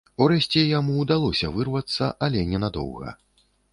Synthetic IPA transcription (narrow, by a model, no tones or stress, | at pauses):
uɾɛsʲt͡sʲɛjamuːd̪alˠɔsʲɐvɨrvɐt̪sːɐʔɐlʲɛnʲɛnad̪ɔ̰wɣɐ̰